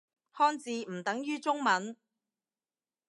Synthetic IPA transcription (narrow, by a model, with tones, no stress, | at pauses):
hɔː˥nt͡siː˨˧m̩˨˩t̪ɐ˨˥ŋjyː˥t͡sʊ˥ŋmɐ˨˥n